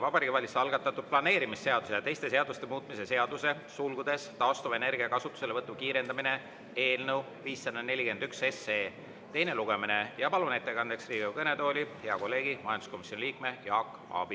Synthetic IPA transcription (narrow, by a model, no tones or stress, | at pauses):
vɑbɑɾiːɡ̥ivɑlʲiseɑlɡ̥ɑt̪ːˑɑt̪ːˑud̪̥̚plɑne̞ːɾimisːe̞ɑd̪̥usejɑt̪e̞jst̪e̞se̞ɑd̪̥ust̪e̞muːt̪ːˑmise̞se̞ɑd̪̥use̞ | sulɡ̥ud̪e̞st̪ɑːst̪uvene̞rɡ̥iɑkɑsut̪ːˑu̥se̞le̞vɤt̪ːˑukiːɾe̞nd̪ɑmine̞ | e̞ːlnəw | viːsːenene̞lʲike̞nd̪ykse̞seː | t̪e̞jne̞luɡ̥e̞mine̞jɑpɑlune̞t̪ːe̞kɑnd̪eksriːɡekɤne̞t̪o̞ːlʲiheɑko̞lːe̞ːɡimɑjɑnd̪̥usko̞misjo̞nʲiliːkme̞jɑːkːˑ | ɑ̰b̥i